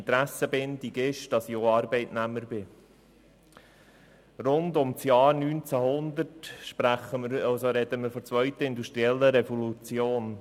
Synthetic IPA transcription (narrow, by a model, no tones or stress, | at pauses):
nt̪ɾæsəbɪndiɡɪʃd̥ɑsɪoːɑːɾbɛɪtnæmːəɾbɪ | rʊnd̪ʊmt͡sjɑːɾnyːnt͡sæhʊnd̪ətʃpɾæχəməɾɑsoɾɛd̪əməɾfɔt͡sʋœʏtəɪnd̪uʃtɾiɛlːəɾɛfolut͡sjoːn